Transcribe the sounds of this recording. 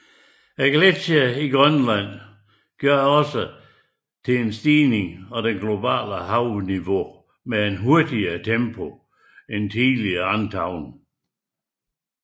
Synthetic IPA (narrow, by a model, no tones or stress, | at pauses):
æɡ̥lesiæiɡ̥ʁɶnlæn̰ | ɡ̥jɶɐ̰ɒ̽sə | t͡sʰe̝ensd̥iːne̝ŋɒ̽d̥enɡ̥lo̝b̥æ̰ːləɦɑ̈ʊniʋo̝ | meenɦo̝ɐd̥iɐːt͡sʰempʰo | ent͡sʰiːliɑnt͡sʰɑ̈ʊ̰n